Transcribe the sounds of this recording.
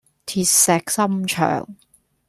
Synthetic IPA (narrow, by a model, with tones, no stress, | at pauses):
t̪ʰiː˧t̚sɛː˧k̚sɐ˥mt͡ʃʰœ̰ː˨˩ŋ